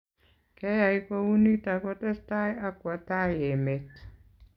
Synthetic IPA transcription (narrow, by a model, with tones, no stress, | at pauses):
kɛ˦ja˨i˦ko˦wu˦ni˦ta˨kɔ˦tɛ˦sta˦ja˦kwa˨ta˦je˨me˨t